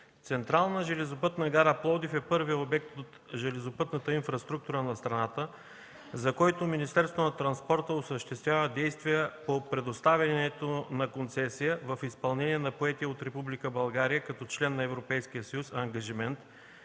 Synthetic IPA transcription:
t̪sɛnt̪ɾalˠnəʒɛlɛzopɤt̪nɐɡaɾaplˠɔd̪ifɛpɤɾviobɛk̚t̪ot̪ | ʒɛlɛzopɤt̪nət̪əinfɾɐst̪ɾuk̚t̪uɾənɐst̪ɾɐnat̪ə | zɐkɔjt̪ominist̪ɛɾst̪vonɐt̪ɾɐnspɔɾt̪əosəʃt̪ɛst̪vʲjavəd̪ɛjst̪vijəpopɾɛd̪ost̪avʲɐnɛt̪onɐkont̪sɛsijəvɐfispɐlˠnɛniɛnɐpoɛt̪iəot̪ɾɛpublikəbɐlˠɡaɾijəkɐt̪ɔt͡ʃlɛnːɐɛvɾopɛjsk̟ijəsɐjusɐŋɡɐʒimɛnt̪

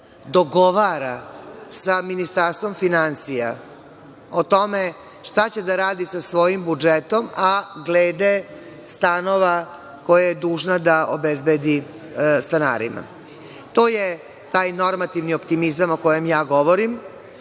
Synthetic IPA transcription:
d̪oɡo̞ʋaɾasaminist̪aɾst̪ʋo̞mfinansija̰ | ot̪o̞me | ʂt̪at͡ɕe̞d̪aɾaːd̪isasʋo̞jimbud͡ʒet̪o̞maɡleːd̪e | st̪ano̞ʋa | ko̞jajed̪uːʒnad̪aʔobezbed̪i | st̪ana̰ːɾḭma̰ | t̪o̞ːje | t̪aːjno̞ɾmat̪iʋniopt̪imizamoko̞jemjaːɡo̞ʋoɾim

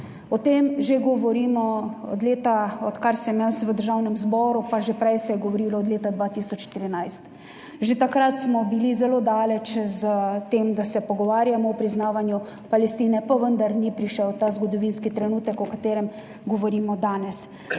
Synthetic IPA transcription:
ɔt̪eːmʒeɡɔʋɔɾiːmɔɔ̰d̪leːt̪aɔt̪kaɾsɛmjasʋəd̪əɾʒawnɛmzbɔːɾupaʒepɾɛjsɛjɛɡɔʋɔɾiːlɔɔd̪leːt̪ad̪ʋaːt̪iːsɔt͡ʃʃt̪iɾinajst̪ | ʒet̪akɾat̪smɔbilizɛloːd̪aːlɛt͡ʃzət̪eːmd̪asɛpɔɡɔʋaːɾjamɔwpɾiznaːʋanju | palɛst̪iːnɛpaʋənd̪aɾnipɾiʃɛwt̪aːzɡɔd̪ɔʋinskit̪ɾɛnuːt̪əkɔkat̪eːɾɛm | ɡɔʋɔɾiːmɔd̪aːnɛs

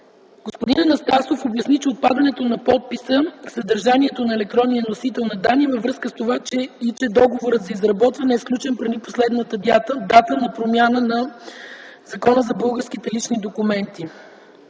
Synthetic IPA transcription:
ɡ̥ospod̪inɐnɐst̪asofobjɐsnit͡ʃɛot̪̚pad̪ɐnɛt̪onɐpɔt̪̚pisəksəd̪əɾʒaniɛt̪onɐɛlɛk̚t̪ɾɔnnijənosit̪ɛlˠnɐd̪anivɐvɾɤskəst̪ovat͡ʃɛit͡ʃɛd̪ɔɡovoɾət̪zɐizɾɐbɔt̪vɐnɛːsklʲut͡ʃɛnpɾɛniposlɛd̪nət̪əd̪at̪əd̪at̪ənɐpɾomʲjanənɐ | zɐkɔnəzɐbɤlˠɡəɾsk̟it̪ɛlit͡ʃnid̪okumɛnt̪i

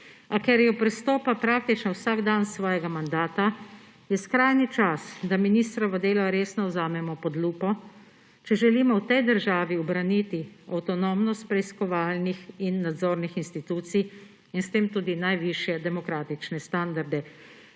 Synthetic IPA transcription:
akɛɾjɔpɾɛst̪ɔːpapɾaːk̚t̪it͡ʃnɔwsaːɡd̪ansʋɔːjɛɡamand̪aːt̪a | jɛskɾajnit͡ʃasd̪aminiːst̪ɾaʋad̪eːlaɾeːsnɔwzaːmɛmɔpɔd̪luːpɔ | t͡ʃɛʒɛliːmɔwt̪ɛjd̪əɾʒaːʋiɔbɾanit̪iawt̪ɔnomnɔst̪pɾɛiskɔʋaːlnixinːad̪zoːɾnixinst̪it̪uːt̪sij | inst̪eːmt̪uːd̪inajʋiʃjɛd̪ɛmɔkɾaːt̪it͡ʃnɛst̪and̪aɾd̪ɛ

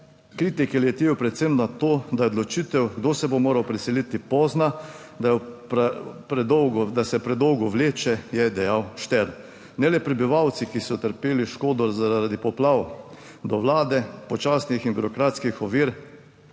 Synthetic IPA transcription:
kɾiːt̪ikɛljɛt̪jeːwpɾɛt̪semnat̪oːd̪ajɛod̪lɔt͡ʃit̪ɛwɡd̪oːsɛbomoːɾawpɾɛsɛlit̪ipɔːzna | d̪appɾɛd̪ɔwɡɔd̪asɛpɾɛd̪ɔwɡɔʋleːt͡ʃɛjɛd̪ɛjawʃt̪ɛɾ | nɛlɛpɾɛbiʋawt̪sikisɔt̪əɾpeːliʃkoːd̪ɔzaɾaɾad̪ipɔplaːw | d̪ɔʋlaːd̪ɛpɔt͡ʃasnixinbuɾɔkɾaːt̪skixɔʋiːɾ

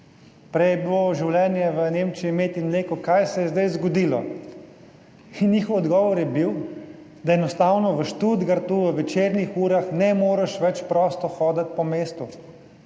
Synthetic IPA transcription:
pɾɛjɛbiloʒiwlɛːnjɛʋəneːmt͡ʃimeːt̪imleːkɔkajsɛjɛzd̪ajzɡɔd̪iːlɔ̰ | injiːxɔwɔd̪ɡɔːʋɔɾjɛbiw | d̪aɛnɔst̪aːwnɔʋəʃt̪uːd̪ɡaɾt̪uːʋəʋɛt͡ʃeːɾnixuːɾaxnɛmoːɾɛʃʋɛt͡ʃpɾɔːst̪ɔxɔːd̪at̪̚pɔmeːst̪u

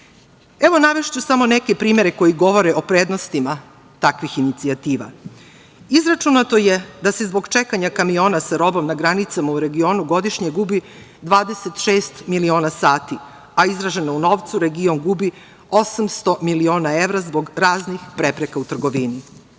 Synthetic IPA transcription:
e̞ʋo̞naʋeʃt͡ɕusamo̞neke̞pɾiːme̞ɾe̞ko̞jiɡo̞ʋo̞ɾeʔo̞pɾeːd̪no̞st̪ima | t̪akʋixinit̪siat̪iːʋa̰ | izɾat͡ʃunat̪o̞jed̪ase̞zbo̞ɡt͡ʃe̞kaɲakamijo̞ːnasaɾo̞bo̞mnaɡɾanit̪samauɾe̞ɡio̞ːnuɡo̞d̪iʃɲe̞ɡubi | d̪ʋaːd̪e̞se̞t̪ʃe̞ːst̪milio̞ːnasaːt̪i | aizɾaʒe̞nouno̞ʋt̪suɾe̞ɡio̞ŋɡubi | o̞samst̪o̞milio̞ːnae̞vɾazbo̞ɡɾaːznixpɾe̞pɾekaut̪r̩ɡo̞ʋini

